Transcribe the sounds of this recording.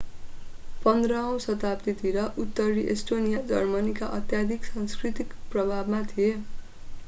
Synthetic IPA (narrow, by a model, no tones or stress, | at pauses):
pʌnd̪rʌ̃w̃sʌt̪apt̪it̪iɾʌʔut̪ːʌɾiʔesʈonijad͡zʌ̰rmʌnikaʔʌt̪jad̪ʱiksaŋskrit̪ikprʌbʱabmat̪ʰije